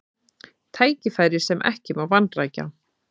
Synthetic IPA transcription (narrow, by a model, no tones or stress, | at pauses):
t̪ʰaːjcɪfaːjɾɪɾ̥sɛmʔɛ̰hcɪmaɾvant̪raːjca̰